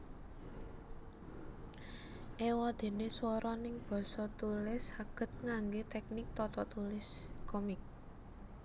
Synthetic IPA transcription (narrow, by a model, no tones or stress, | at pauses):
ʔewɔd̪̥e̤neswɔɾɔnɪŋb̥ɔ̤sɔt̪ulɪsaɡ̥ə̤t̪̚ŋaŋɡet̪ɛk̚nɪk̚t̪ɔt̪ɔt̪ulɪskɔmɪk̚